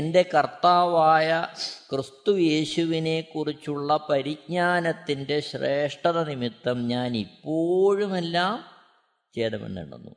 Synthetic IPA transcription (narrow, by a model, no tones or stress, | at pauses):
ende̞kɐrt̪aːʋaːjɐkrɨst̪uje̞ːɕuʋine̞kːurit͡ɕːuɭːɐpɐɾik̚ɲaːnɐt̪ːinde̞ɕre̞ːʂʈɐðɐnimit̪ːɐmɲaːnipːo̞ːɻume̞lːaːm | t͡ɕeːɽɐmḛnːḛɳṵnːṵ